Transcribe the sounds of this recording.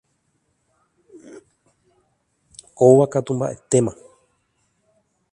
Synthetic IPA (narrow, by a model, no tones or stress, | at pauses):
oʋakat̪ũmba̰ʔe̞t̪e̞mã